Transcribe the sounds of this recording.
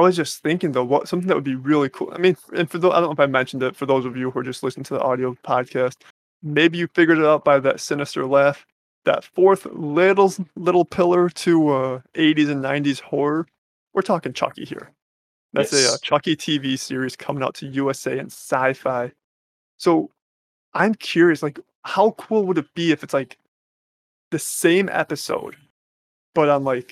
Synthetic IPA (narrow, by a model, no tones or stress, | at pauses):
aɪwʌzd͡ʒʌsθɪ̃ŋkɪ̃ŋðoʊwʌtsʌ̃mθɪ̃ŋðɨʔ̚wədbiɹɪlˠikʰṵlˠaɪmĩnfɨ̃nfə˞ðoʊaɪ̃noʊɪfaɪmɛ̃nʃn̩dɨtfə˞ðoʊzʌvjɨhə˞d͡ʒʌstˡlɪsnɪ̃ŋtʰɨðḭʔɑɾioʊpʰɑd̚kʰæst̚ | meɪbijɨfɪɡjə˞ɾɨɾaʊt̚b̥aɪðɨ̰tsɪnɨstə̰˞lɛft | ðɨ̰tfɔɹθlɪɾl̩ˠzlɪɾl̩ˠpʰɪlˠə˞ɾʰɨʌʔeɪɾizɨ̃nːãɪ̃ntiz̥hɔɹə˞ | wʔɨɹtʰɔkɪ̃ŋt͡ʃʰɑ̰kḭhḭɹ | ðɨtsɨʌt͡ʃʰʌkitʰivisɪɹiz̥kʰʌ̃mɪ̃ŋaʊtʰɨjʉɛseɪɨ̰̃nsaɪfaɪ | soʊ | ʔãɪ̃mkʰj̥ʊɹiɨslaɪk | haʊkʰulˠwəɾɨt̚b̥iɨfɨtslaɪk | ðɨsẽɪ̃mɛ̰pɨso̰ʊd̥̚ | b̥ʌɾãɪ̃mlaɪk